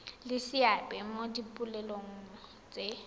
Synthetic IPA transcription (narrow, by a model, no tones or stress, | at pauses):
lɪsiabʼɛmodipʼulɛloŋ̩ | t͡sʼe